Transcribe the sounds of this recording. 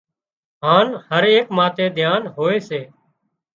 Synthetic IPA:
ɦãːnhəɾeːkmaːt̪ẽːd̪ʱjaːnɦoːeːseː

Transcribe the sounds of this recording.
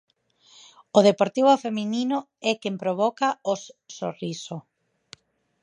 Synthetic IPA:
oð̞epoɾt̪iβ̞ofeminino | ɛkempɾoβ̞ɔkaosso̰riso

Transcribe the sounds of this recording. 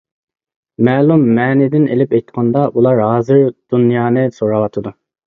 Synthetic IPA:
mɛːlˠumːɛːnɪd̪ɪnelɪpɛjt̪qʰɑnd̪ɑulˠɑɾɦɑːzɨɾd̪̥unjɑːnɨsoɾɑwɑt̪ʰɨd̪u

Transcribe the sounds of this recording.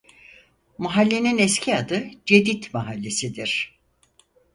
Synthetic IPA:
maɦalʲːe̞ninɛscʰiad̪ɯd͡ʒe̞d̪it̪maɦalʲːe̞sid̪iɾ̥

